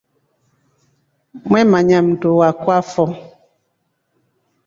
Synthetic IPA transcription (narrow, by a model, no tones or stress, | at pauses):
mwɛmaɲamndowakwafɔ